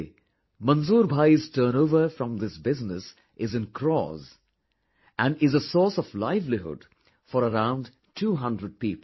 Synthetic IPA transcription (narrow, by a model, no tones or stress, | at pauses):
mʌ̃nzuːɾbʱaɪztʰəːnoʊvəfɾʌ̃mðɪsbɪznɨs | ʔɪzɨ̃nkʰɾɔ̰z | æ̃nɪzəsɔːsɔvlaɪvliɦʊ̰d̥ | fɔɾəɾãʊ̃nd | tʰuːɦʌ̃ndɾəd̚piːplˠ